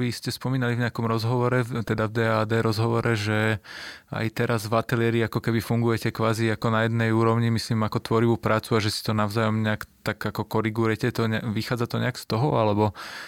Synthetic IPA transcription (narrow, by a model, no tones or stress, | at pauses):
ʋiscɛspɔmiːnalivɲɛakɔmɾɔzɦɔʋɔɾɛt̪ɛd̪avd̪ɛaːd̪ɛːɾɔzɦɔʋɔɾʔɛʒɛ | a̰jt̪ɛɾazvat̪ɛliɛɾiakɔkɛbifuŋɡujɛcɛkʋaːziakɔnajɛd̪nɛjuːɾɔʊɲimisliːmakɔt̪ʋɔɾiʋupɾaːt͡suaʒɛsi̥t̪ɔnaʊzaːjɔmɲɛakt̪aɡakɔkɔɾiɡuɾɛcɛt̪ɔɲɛʋixaːd͡zat̪ɔɲɛakst̪ɔɦɔalɛbɔ